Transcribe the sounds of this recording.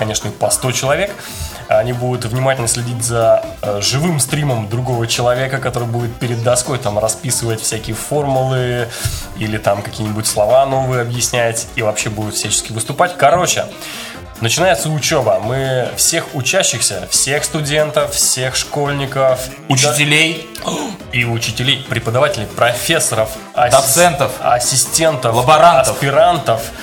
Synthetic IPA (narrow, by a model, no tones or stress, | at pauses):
kɐnʲe̞ʂnəpɐst̪o̞t͡ɕɪlˠɐvʲe̞k | ɐnʲibud̪ʊt̪vnʲɪmatʲɪlʲnəsʲlʲɪdʲitʲzəʐɨvɨmst̪ɾʲiməmd̪ɾʊɡo̞vət͡ɕɪlˠɐvʲe̞kəkɐt̪o̞ɾɨjbudʲɪt̪̚pʲɪɾʲɪd̪ːɐsko̞jt̪amrɐspʲisɨvətʲfʲsʲækʲɪjəfo̞rmʊlˠɨ | ilʲɪt̪amkɐkʲijənʲɪbʊtʲslˠɐvano̞vɨjɐbjɪsʲnʲætʲivɐpɕːebud̪ʊt̪fsʲæt͡ɕɪ̥skʲɪvɨst̪ʊpatʲkɐɾo̞t͡ɕɪ̰ | nət͡ɕɪnajɪt̪səʊt͡ɕobəmɨfsʲe̞xʊt͡ɕæɕːɪxsʲəfsʲe̞xst̪ʊdʲe̞nt̪əffsʲe̞xʂko̞lʲnʲɪkəf | ʊt͡ɕɪtʲɪlʲej | iʊt͡ɕɪtʲɪlʲejpɾʲɪpəd̪ɐvatʲɪlʲɪjpɾɐfʲe̞sːəɾəf | ɐd̪ɐsɛnt̪əfɐ̰sʲːɪsʲtʲe̞nt̪əlˠbɐɾanɐssfpʲɪɾant̪əf